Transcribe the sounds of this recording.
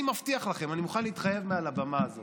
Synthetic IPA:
imaft̪iaχlaχe̞manimuχanliːt̪χaje̞vmealabamaːzo

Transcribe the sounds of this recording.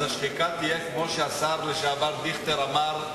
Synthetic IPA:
aʃχikat̪ijekmo̞ʃeasaʁleʃaːvald̪iχt̪eʁamaʁ

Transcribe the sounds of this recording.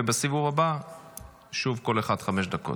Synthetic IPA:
ebasivuvaba | ʃuvko̞leχad̪χameʃ̬d̪ako̞̰t

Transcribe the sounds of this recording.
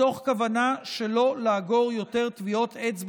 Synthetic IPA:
o̞χkavanaʃelo̞laːɡo̞ʁjo̞te̞ʁtvio̞t̪ʰet͡sb

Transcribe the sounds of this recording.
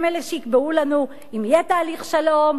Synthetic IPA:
meleʃeikbeulanu | imjet̪aːliχʃalo̞m

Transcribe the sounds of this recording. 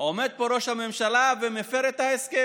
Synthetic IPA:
ome̞d̪̚poɾo̞ʃhame̞mʃalavemefeɾet̪haeske

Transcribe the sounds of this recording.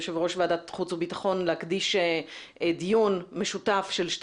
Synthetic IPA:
ʃevʁo̞ʃveadatχut͡subitḁχo̞nlehakdiʃeedijunme̞ʃutafʃe̞lʃt

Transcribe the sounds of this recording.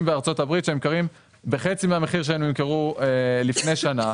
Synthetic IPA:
mbeaʁt͡so̞tabʁit̪ʃeemkaʁim | be̞χe̞t͡simeame̞χiʁʃ̬eemimkeʁuelifne̞jʃana

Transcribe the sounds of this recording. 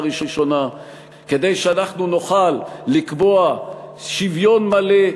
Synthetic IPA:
ʁiʃoʃo̞na | ke̞d̪e̞jʃeanaχnunoχalːikboaʃivjo̞nmale

